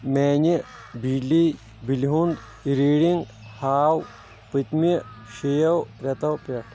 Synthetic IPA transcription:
meːɲi | bili | biliɦund̪ | iɾiːɽiŋɡ | haːw | pɨt̪mi | ʃijɐwɾɐt̪ɐwpɐʈʰ

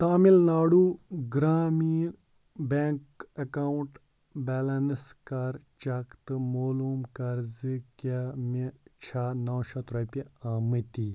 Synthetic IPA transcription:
t̪aːmilnaːɽuɡɾaːmiːɾ | beŋkɐkawuɳʈ | bɛːlɐnskaɾt͡ʃɐkt̪ɨmoːluːmkɐɾzɨkamet͡ʃʰaːnawʃat̪ɾɐpʲiaːmɨt̪i

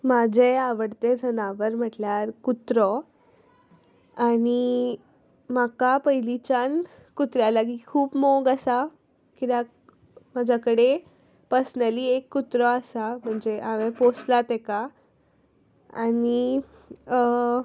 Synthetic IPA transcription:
mad͡ʑʱeaʋəɽt̪ed͡zʱənaʋəɾm̤əʈljaɾkut̪ɾɔ | añi | makapəjlit͡ɕan | kut̪ɾjalaɡiːkʰuːpmoɡasa | kit̪a | mad͡ʑʱakəɽe | pəsnəliːekːut̪ɾɔasam̤əɳd͡zeʔaʋẽposlat̪eka | ani

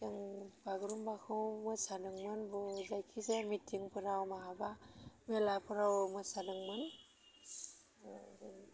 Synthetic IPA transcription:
aŋbaɡɾumbakʰɯwmɯsadɯŋmɯnbɯzajkʰizemitʰiŋpʰɯɾawmaɦabamelapʰɯɾawmɯsadɯŋmɯn

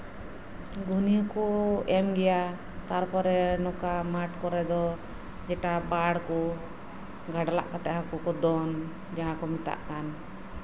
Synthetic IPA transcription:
ɡunikɔɛmɡɛja | t̪aɾpɔɾɛnɔkamaʈkɔɾɛd̪ɔ | d͡ʒɛʈabaɽkɔ | ɡʱaɖala̰ʔkat̪ɛʔɦakɔkɔd̪ɔn | d͡ʒaɦãkɔmit̪a̰ʔkan

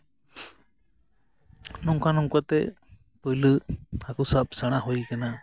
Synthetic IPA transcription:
nuŋkanuŋkat̪ɛ | pəjləakusap̚saɽ̃aɦujkana

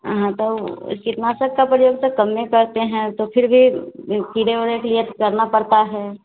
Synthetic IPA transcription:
ɦãt̪oɪ̰skit̪naːsəkkːapɾɐjoːɡsekɐmːẽkɐɾt̪eɦɛ̃t̪opʰɪɾbʱipiːɽeoːɾeklijət̪kɐɾnapɐɽt̪aɦɛː

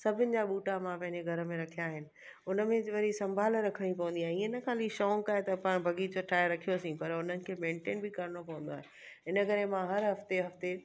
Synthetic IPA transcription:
sɐbʱɪnɪ̆d͡ʑaːɓuːʈamãpɐ̃ɦɪ̃ɲd͡ʑeɡʱɐɾəmẽɾɐkʰijaːɦɪnɪ̆ | ʊnə̆mẽʋɐɾisɐ̃mbʱaːlɾɐkʰəɽ̃ĩpɐʋə̃nd̪iaɦiːɪnəkʰãːliʃɔːŋkaːɦet̪ɐpãːbʱɐɡiːd͡ʑoʈʰaːeɾɐkʰijosĩpɐɾʊnənɪ̆kʰeːmẽːɳʈeːnbɪkɐɾɪɽ̃opɐʋə̃nd̪aːɦẽnɪ | ɪnəkɐɾemãɦɐɾɦɐft̪eɦɐft̪e

